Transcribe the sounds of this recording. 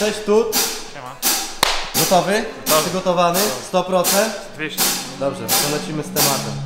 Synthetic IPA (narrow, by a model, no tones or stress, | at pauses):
ʂɛɕt̪ut̪ | ɡɔt̪ɔvɘ | ʂɨɡɔt̪ɔvanɘst̪ɔpɾɔt̪sɛnt̪ | vʲeɕd̪ɔbʐɛ̰ʂɔlɛt͡ɕimɘst̪ɛmat̪ɛ